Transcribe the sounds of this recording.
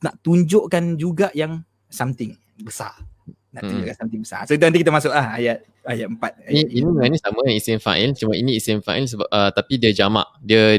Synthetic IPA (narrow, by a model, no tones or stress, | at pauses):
naʔt̪uɲd͡ʒoʔkand͡ʒuɡaʔjaŋ | samt̪ɪŋ | bəsa̰r | naʔ̪uɲd͡ʒoʔkansamt̪ɪŋbəsa̰soit̪unt̪ikit̪̬əmasʊʔlahajat̪̚ | ajat̪̚əmpat̪̚aniiniməŋanĩsamə̃isɪnfa̰ɛlt͡ʃumainĩːsɪnfa̰ils̬əbapət̪apidiəd͡ʒama̰ʔdiə